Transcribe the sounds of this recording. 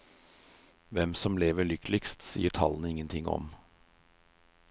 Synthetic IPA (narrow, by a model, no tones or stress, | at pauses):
ʋɛmsɔmleːʋəɭʏkʰlɪkst̪sḭːəʈʰɑ̰lnəɪŋːənt̪ʰɪŋːɔ̰m